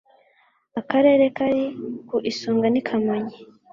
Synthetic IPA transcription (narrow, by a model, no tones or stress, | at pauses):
akaɾe̞ːɾekaɾikuʔisuːŋɡanikʰamaɲi